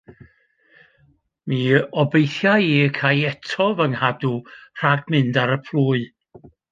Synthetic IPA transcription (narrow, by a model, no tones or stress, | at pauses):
miɔbejθjajikʰajɛtʰɔvəŋhadur̥aɡmɨndaɾəpʰl̥ˠuːɨ